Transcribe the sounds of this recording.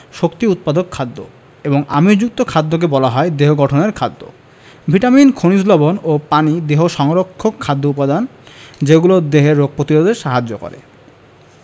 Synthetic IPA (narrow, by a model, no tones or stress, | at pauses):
ʃokt̪iut̪̚pad̪okʰːad̪ːo̰ | eboŋa̰mid͡ʑuk̚t̪okʰad̪ːok̬ebɔlaɦɔed̪eɦoɡɔʈʰoneɾkʰad̪ːo̰ | bʱiʈaminkʰonislobonopanid̪eɦoʃɔŋɾokʰːokʰːad̪ːoupad̪and͡ʑeɡulod̪eɦeɾːoɡ̚pɾot̪iɾod̪eɾʃaɦad͡ʑːokɔ̰ɾḛ